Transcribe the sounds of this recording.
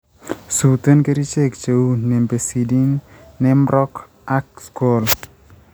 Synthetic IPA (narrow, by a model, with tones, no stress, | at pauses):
su˨t̪ə˦nke˦ɾi˦t͡ʃe˦kt͡ʃe˨u˦ne˨mbe˨si˨di˦nːɛ˦mɾɔ˦k | a˦k̚sko˨l